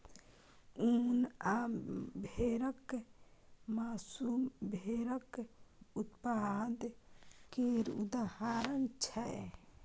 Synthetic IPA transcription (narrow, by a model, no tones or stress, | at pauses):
unabʱeɾək | maːsumbʱeɾəkut̪pad̪keɾṵd̪ahaɾənt͡ʃʰɛ